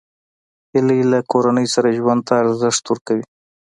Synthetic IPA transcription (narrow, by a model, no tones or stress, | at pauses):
hɪlilakoɾanəjsaɾaʒwand̪̚t̪aːɾzɪʂt̪waɾkawi